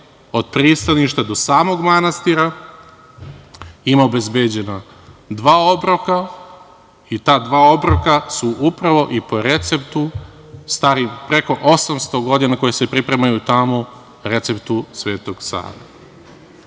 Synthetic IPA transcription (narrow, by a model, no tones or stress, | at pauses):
o̞d̪̥̚pɾist̪aniʃt̪ad̪o̞saːmo̞ɡmanast̪iɾa | imaobe̞zbeːd͡ʑe̞na | d̪ʋaːo̞bɾoka | it̪aːd̪ʋaːo̞bɾokasuʔupɾaʋo̞ʔipo̞ɾe̞t̪se̞pt̪u | st̪aɾimpɾe̞ko̞ʔo̞samst̪o̞ɡo̞d̪inako̞jese̞pɾipɾe̞majut̪amo | ɾe̞t̪se̞pt̪usʋe̞ːt̪o̞ɡ̥sa̰ːɾa̰